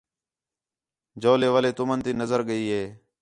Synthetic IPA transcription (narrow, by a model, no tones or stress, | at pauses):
d͡ʒoːleːʋəleːt̪ʊmənt̪iːnəzəɾɠəiːɦeː